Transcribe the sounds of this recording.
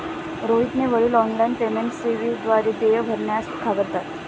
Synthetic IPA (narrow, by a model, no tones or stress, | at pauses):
ɾoɦit̪neʋəɭiːlɔnlajnpemeɳʈseʋid̪ʋaɾed̪ejəbʱəɾɳjast̪kʰaʋəɾt̪at̪